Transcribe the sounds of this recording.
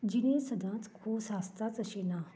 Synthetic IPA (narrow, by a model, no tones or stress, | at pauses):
d͡ʑinesəd̪ʱãt͡skʰuːbsast̪at͡səɕena